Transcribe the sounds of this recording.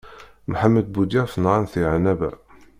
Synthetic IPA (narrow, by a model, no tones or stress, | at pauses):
mħamːəd̪̚bud̪æfnʁanθiʕnæbæ̰